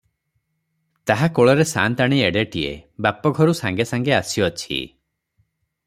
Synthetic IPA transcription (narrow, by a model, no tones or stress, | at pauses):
t̪aɦakoɭɔɾesa̰nt̪aɽ̃ieɽeʈiḛbapɔɡʱɔɾusaŋɡesaŋɡeasiɔt͡ʃʰḭ